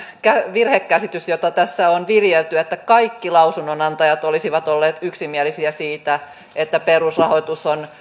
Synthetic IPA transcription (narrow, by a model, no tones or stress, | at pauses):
kæʋirhekːæsit̪ysjot̪ɑt̪æsːæonʋiljelt̪yet̪ːækɑikːilɑusunːonɑnt̪ɑjɑt̪olisiʋɑt̪olːeːt̪yksimiælisiæsiːt̪æ | et̪ːæperusrɑhoit̪uson